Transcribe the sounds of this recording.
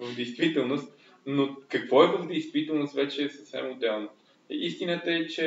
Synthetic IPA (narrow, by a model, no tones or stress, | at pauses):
vəvd̪ɛjst̪vit̪ɛlˠnost̪ | nokɐkv̥ɔɛvəvd̪ɛjst̪vit̪ɛlˠnoʊst̪vɛt͡ʃɛːsəfsɛ̰mʊd̪ɛlˠnə | ist̪inət̪əɛt͡ʃɛ